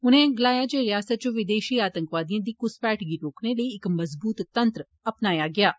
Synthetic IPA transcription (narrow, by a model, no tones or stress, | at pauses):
ʊnẽːɡəlaːjaːd͡ʒeːɾɪjaːsət̪̚t͡ʃõʋɪd̪eːʃiːaːt̪ə̃ŋkʋaːd̪ijãːd̪iːkʊspɛːʈɡiːɾoːkneːləiːɪkməzbuːt̪ːənt̪ɾ | əpnaːjaːɡɪaː